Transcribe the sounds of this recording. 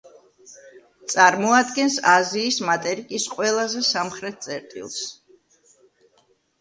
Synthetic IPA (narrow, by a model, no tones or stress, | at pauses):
t̪sʼaɾmɔad̪ɡɛnsaziːsmat̪ʼɛɾikʼisqʼwɛlˠazɛsamχɾɛt̪̚t̪sʼɛɾt̪ʼḭlˠs